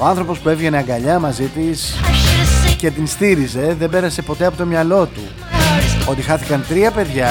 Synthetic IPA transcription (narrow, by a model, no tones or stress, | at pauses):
oɐnθɾo̞po̞spue̞vʝe̞neɐŋɡɐʎɐmɐzit̪is | ce̞t̪inst̪iɾize̞ðe̞mbe̞ɾɐse̞po̞t̪e̞ɐpot̪o̞mɲɐlo̞t̪ṵ | o̞t̪ixɐθikɐnt̪ɾiɐpe̞ðʝɐ